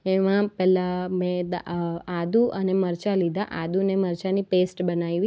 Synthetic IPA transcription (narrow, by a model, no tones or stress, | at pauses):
eʋãpɛlamẽd̪aad̪uʔəneməɾt͡ʃalid̪aʔad̪uneməɾt͡ʃanipesʈbənajʋi